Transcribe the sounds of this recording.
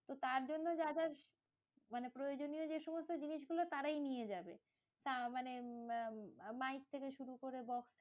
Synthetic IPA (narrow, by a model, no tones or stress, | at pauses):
t̪ot̪aɾd͡ʑonːod͡ʑadaɾ | manepɾojod͡ʑonijod͡ʑeʃɔmost̪od͡ʑiniʃɡulot̪aɾajnijed͡ʑabe | ʃamane | majk̚t̪ʰekeʃuɾukoɾebɔks